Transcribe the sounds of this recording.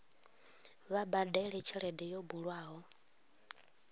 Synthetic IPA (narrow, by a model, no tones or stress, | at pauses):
βabadaiɺɛt͡ʃʰiɺɛdɛjobuɺwaːɦɔ